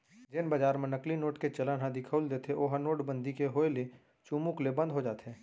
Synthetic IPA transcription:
d͡ʒɪnbaːd͡ʒaːɾmẽnəklinoːʈket͡ʃɐlanɦãd̪ɪkʰəʊld̪eːt̪ʰeʔoɦanoːʈbə̃nd̪ʱikeɦoːele | t͡ʃuːmuklebə̃nd̪ʱɦod͡ʒaːt̪ɦɛː

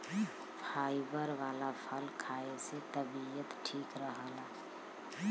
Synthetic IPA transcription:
pʰaɪbəɾʋalapʰəlkʰaeset̪əbiət̪ʈʰiːkɾəɦəla

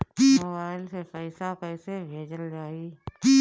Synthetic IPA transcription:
kiːbaːɪlsepəɪsakəɪsebʱeːd͡ʒəld͡ʒaːiki

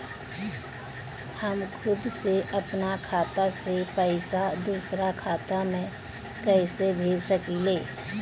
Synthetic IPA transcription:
həmkʰʊd̪seʔɐpnakʰaːt̪asepəɪsad̪uːsɾakʰaːt̪amẽ | kɛɪsebʱeːd͡ʒsəkileː

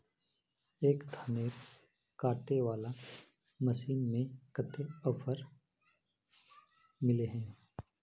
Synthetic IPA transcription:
eːkd̪ʱaneːɾ | kaːʈeʋaːla | məʃiːnmẽkət̪eɔfəɾ | mɪleɦɛ̃ː

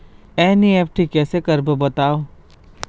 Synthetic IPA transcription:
ɛːnieːfʈikɛːsekɐɾbəbɐt̪aːo

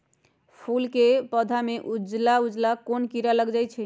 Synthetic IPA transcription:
pʰulkepəd̪ʱameʔud͡ʒlaud͡ʒlakonkiɾaləɡd͡ʒajt͡ʃʰɛ

